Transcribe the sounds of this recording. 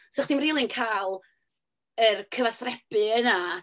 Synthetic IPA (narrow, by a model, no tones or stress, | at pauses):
sɔχd̥ɪmriːlˠɨnkʰaːlˠ | ərkʰəvaθrɛbɨəna